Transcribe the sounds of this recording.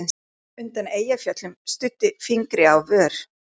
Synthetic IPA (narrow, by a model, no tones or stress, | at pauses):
n | ʏnt̪aneːjafjœt̪lʏmst̪ʏt̪ːɪfiŋkɾɪawvœːɾ̥